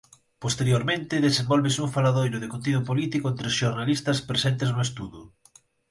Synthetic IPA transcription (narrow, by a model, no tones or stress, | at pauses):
post̪eɾjoɾmẽnt̪eðesẽmbolβesuɱfalaðojɾʊðekont̪̬iðupolit̪ikoent̪ɾesʃoɾnalist̪ɐspɾesent̪eznʊest̪uðu